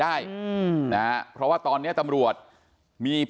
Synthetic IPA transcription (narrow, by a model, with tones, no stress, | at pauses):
aː˥˩jna˦˥pʰɾɔ˦˥waː˥˩t̪ɔː˧nːi˥ɐt̪a˧mɾu˨˩ət̪̚ | miː˧p